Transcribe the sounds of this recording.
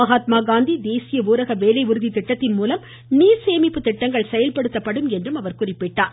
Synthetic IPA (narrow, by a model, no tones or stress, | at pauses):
ɐɣaːt̪maːɡaːnd̪id̪eːsɪjɐʋuːɾɐɣɐʋeːlɐɪʋʊɾɯðit̪ːɪʈːɐt̪ːɪnmuːlɐm | niːɾseːmɪpːɯt̪ːɪʈːɐŋɡɐɭsɛjɐlpɐɽɯt̪ːɐpːɐɽɯmɛndrɯmɐʋɐɾkʊrɪpːɪʈːaːɾ